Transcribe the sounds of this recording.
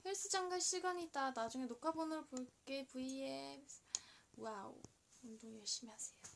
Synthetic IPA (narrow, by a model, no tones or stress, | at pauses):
hiɭs͈ɯd͡ʑaŋɡaɕʰiɭɡaɲiːt̚t͈anad͡ʑuŋe̞nokʰabonɯɾopoɭk͈e̞puie | waṵ | ondoŋjʌɭɕ͈imiasʰe̞jo